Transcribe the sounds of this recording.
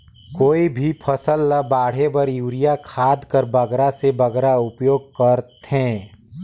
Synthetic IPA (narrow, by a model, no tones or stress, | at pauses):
koːibʱipʰɐsəlːəbaːɽ̤ebɐɾjuːɾijakʰaːd̪kəɾbɐɡɾasebɐɡɾaʊpjoːɡ̚kəɾt̪ɦɛ̃ː